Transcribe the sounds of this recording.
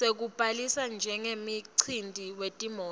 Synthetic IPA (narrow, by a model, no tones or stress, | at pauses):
ek̬ub̥ʼʱalisand͡ʒʱɛŋemiǀʰindʱiwetʼimɔː